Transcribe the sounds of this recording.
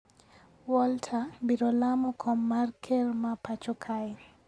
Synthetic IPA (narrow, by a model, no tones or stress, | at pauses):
wɔltʰabiɾɔlamɔkʰɔmːarkʰermapat͡ʃɔkʰaɛ